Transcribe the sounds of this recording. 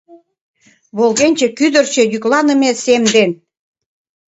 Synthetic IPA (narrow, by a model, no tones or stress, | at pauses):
βolɣenʲt͡ɕĕkyd̪ə̆rt͡ɕĕjyklɑnə̆mesemd̪en